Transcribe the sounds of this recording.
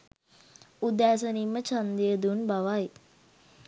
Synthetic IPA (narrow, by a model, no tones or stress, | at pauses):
ud̪æːs̬ənimːət͡ʃand̪ijəd̪unbaʋaj